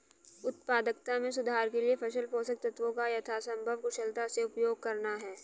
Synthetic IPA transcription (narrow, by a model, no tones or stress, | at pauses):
ʊt̪̚paːd̪əkt̪amẽs̬ʊd̪ʱaːɾkeliepʰɐʃəlpoːsək̚t̪ɐt̪ʋõkajɐt̪ʰasɐ̃mbʱəʋkʊʃəlt̪aseʊpjoːɡ̚kɐɾnaɦɛː